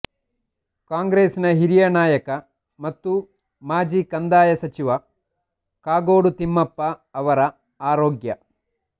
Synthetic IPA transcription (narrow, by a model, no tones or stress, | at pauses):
kaːŋɡɾeːsinɐɦiɾijɐnaːjɐkɐ | mɐt̪ːu | maːd͡ʒiːkɐnd̪aːjɐsɐt͡ʃiʋɐ | kaːɡoːɽut̪imːɐpːɐːʋɐɾɐ | aːɾoːɡjɐ